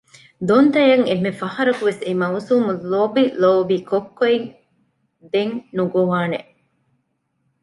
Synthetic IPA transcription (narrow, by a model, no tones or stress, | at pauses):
d̪ont̪ɐjɐŋemːefɐhɐɾɐkuʋesemɐusuːmuloːbiloːbiːkokːoeŋ | d̪eŋnuɡoʋaːnḛʔ